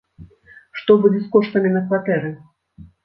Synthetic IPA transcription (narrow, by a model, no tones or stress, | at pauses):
ʂt̪ɔbud͡zʲɛskɔʂt̪ɐmʲinɐkvat̪ɛɾɨ